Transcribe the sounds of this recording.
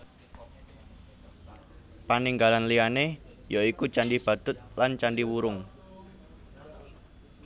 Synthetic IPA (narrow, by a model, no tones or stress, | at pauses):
paniŋɡalanlijanejaikut͡ʃaɳɖib̥a̤d̪̥ʊ̤t̪̚lant͡ʃanɖiwuɾʊŋ